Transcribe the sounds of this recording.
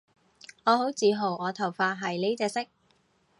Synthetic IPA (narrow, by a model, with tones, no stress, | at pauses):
ŋɔː˨˧ɦo˨˥wt͡siː˨˧ɦo˨˩wɔː˨˧t̪ʰɐ˨˩wfaː˧ɦɐ˨˩jli˥t͡sɛː˧sɪ˥k̚